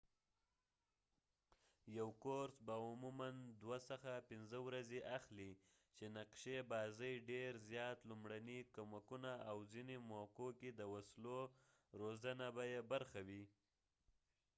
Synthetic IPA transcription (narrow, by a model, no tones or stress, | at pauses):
jawkoɾsbaʊmumand̪wasəxapɪnzəwɾazeʔaxli | t͡ʃenaqʃebɑzəjɖeɾzjɑt̪lumɽanikomakunaawzinemokoked̪əwaslo | ɾozanabajebaɾxawi